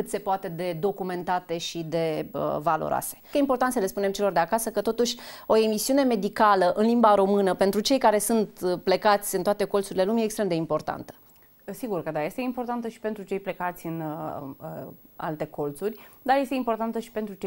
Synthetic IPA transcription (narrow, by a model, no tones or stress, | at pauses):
kɨt̪se̞poat̪e̞d̪e̞d̪o̞kume̞nt̪at̪e̞ʃid̪e̞ə̰valo̰ɾʔa̰se̞̥jeimpo̞rt̪ant̪səle̞spune̞mt͡ʃe̞lo̞rd̪eakasəkət̪o̞t̪uʃʲo̞e̞misiune̞me̞d̪ikaləʔɨnlimbaɾo̞mɨnəpe̞nt̪ɾut͡ʃe̞jkaɾe̞sunt̪ple̞kat̪sʲɨnt̪oat̪e̞ko̞ltsuɾile̞lumʲijeːkst̪ɾe̞md̪e̞impo̞rt̪a̰nt̪ə̥ | siɡurkəd̪aje̞st̪eimpo̞rt̪ant̪əʃi̥pe̞nt̪ɾut͡ʃejple̞kat̪sʲɨn | a̰lt̪e̞ko̞lt̪surʲd̪aɾje̞st̪eimpo̞rt̪ant̪əʃi̥pent̪ɾut͡ʃe